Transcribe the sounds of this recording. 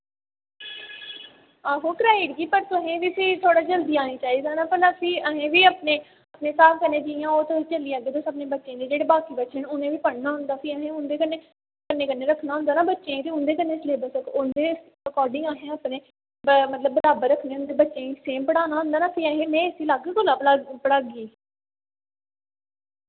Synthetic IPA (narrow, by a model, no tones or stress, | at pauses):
aːɦoːkɾaːiɽɡiːpəɾt̪ʊɦẽːʋiːsiːt̪ʰoːɽaːd͡ʒəld̪iːaːniːt͡ʃaːiːd̪aːnãːpəlasiːəɦẽːʋiːaːpneː | əpneːsaːpkənːẽːd͡ʒɪjãːoːt̪oit͡ʃəliːaːɡeːt̪oːsəːpnẽːbətːʃẽːd̪eːd͡ʒeːɽeːbaːkiːbətːʃənʊnẽːʋiːpəɽnaːɦʊ̃nd̪aːfʰiəɦẽːʊnd̪eːkənːeː | kənːeːkənːeːɾəkʰːnaːɦʊnd̪aːnaːbətːʃẽːĩːt̪eːʊnd̪eːkənːeːsleːbəsəkʊnd̪eː | əkɔːɾɖɪ̃ŋaːɦẽːaːpnẽː | mət̪ləbːəɾaːbəɾəkʰneːɦʊ̃nd̪eːbətːʃẽːiːseːmpəɽaːnaːɦʊ̃nd̪aːnaːpʰiːəɦẽːmɛ̃ːsiːlaːɡkʊlaːpapəɽaːɡiː